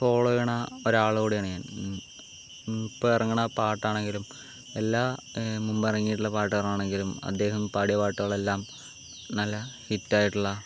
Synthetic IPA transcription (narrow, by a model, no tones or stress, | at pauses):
fo̞ːɭojɐɳɐoɾaːɭuɣoːɽijaːɳɨɲaːn | pːoɐrɐŋːuɳɐpaːʈːaːɳe̞ŋɡilum | elːaːmumbirɐŋːijiʈːuɭːɐpaːʈːɨɐrɐaːɳe̞ŋɡilumɐ̰d̪ːe̞ːhɐmpaːɽijɐpaːʈːuɣɐɭe̞lːaːm | nɐlːɐhitːaːjiʈːuɭːɐ